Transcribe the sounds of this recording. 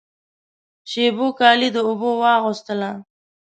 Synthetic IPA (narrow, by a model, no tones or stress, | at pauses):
ʃebokɑlid̪əʊbowɑɣʊst̪əla